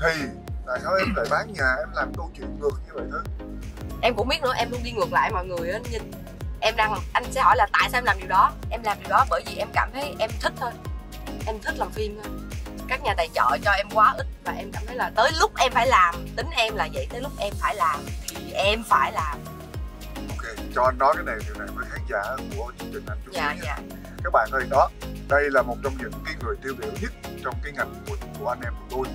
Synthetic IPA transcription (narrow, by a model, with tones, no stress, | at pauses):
t̪ʰi˧˩ | t̪a̰ː˧˨jsaː˧wʔɛ˧mla̰˧˨˩jɓaː˨˦ŋɲaː˨˩ʔɛ˧mlaː˨˩mɗ̪o˧t͡ɕwḭ˧˨ənlɨ˧˩əkɲɨ˧və˨˩t̪ʰi˨˦˥k̚ | ʔɛ˧mkʊ̰˧˥ŋ͡mɓi˦˥t̚nɨ̰˧˩əʔɛ˧mɗu˧ŋ͡mɗi˧ŋɨ˨˩ək̚la̰ː˧˨jmɔ̰˨jŋɨ˨˩əjʔaː˨˦ɲɨ˧ŋ | ʔɛ˧mɗaː˧ŋʔa˧jŋ̟sɛ̰˧˥ɦɔ̰˧˩jlaː˨˩t̪a̰ː˧˨jsaː˧ɛ˧mlaː˨˩ɗi˨˩wɗɔ˨˦ʔɛ˧mlaː˨˩mɗi˨˩wɗɔ˨˦ɓəː˧˩jvi˨˩ʔɛ˧mkaː˧˩mt̪ʰə˨˦jʔɛ˧mt̪ʰï˦˥k̚t̪ʰoː˧j | ʔɛ˧mt̪ʰi˦˥k̚laː˨˩mfi˧mə˧jkaː˦˥k̚ɲaː˨˩t̪a˨˩jt͡ɕə̰ː˧˩t͡ɕɔ˧ʔɛ˧mkwaː˨˦ʔi˦˥t̚vaː˨˩ʔɛ˧mkaː˧˩mt̪ʰə˨˦jlaː˨˩t̪əː˨˦jlʊ˦˥k͡p̚ʔɛ˧mfaː˧˩jlaː˨˩mt̪ï˨˦ŋ̟ʔɛ˧mlaː˨˩zə̰˧˨jt̪əː˨˦lʊ˦˥k͡p̚ʔɛ˧mfaː˧˩jlaː˨˩mt̪ʰi˨˩ʔɛ˧mfaː˧˩jlaː˨˩m | ʔo˧wke˧t͡ɕɔ˧ʔa˧nnɔ˨˦kaː˨˦jne˨˩ɗi˨˩wna˨˩jvəː˨˦jxaː˨˦ŋzaː˧˩ku˧˩ət͡ɕɨ˧əŋt͡ɕï˨˩ŋ̟hʰa˨˩ŋ̟t͡ɕʊ˦jaː˨˩˨ɲa̰ː˧˨˩ | kaː˦˥k̚ɓa̰ː˧˨nʔɗɔ˨˦ɗə˧jlaː˨˩mo˨˩t̚t͡ɕɔ˧wŋ͡mɲɨ̰˧˥ŋkaː˨˦jŋɨ˨˩əjt̪i˧wɓḭ˧˨əwɲɨ˦˥t̚t͡ɕɔ˧wŋ͡mkaː˨˦jŋa˨˩jŋ̟vo̰˧˩jt̪ku˧˩əʔa˧nʔɛ˧m˨˩ɗ̪o˧j